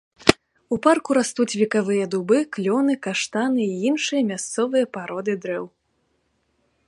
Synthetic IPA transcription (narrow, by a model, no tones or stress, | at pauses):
uparkuɾast̪ut͡sʲvʲikavɨjɐd̪ubɨklʲɔnɨkaʂt̪anɨiinʂɨjɐmʲast̪sɔvɨjɐpaɾɔd̪ɨd̪ɾɛw